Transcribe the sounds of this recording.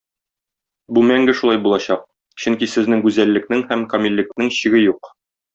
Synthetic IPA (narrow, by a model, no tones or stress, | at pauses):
bumæŋɡɘʃulˠɑjbulˠɑɕɑq̚ | ɕɵŋkisɘ̆znɘŋɡʉzælːɘ̆knɘŋhæmkɐmʲilʲːɘ̆k̚nɘŋɕɘ̆ɡɘjuq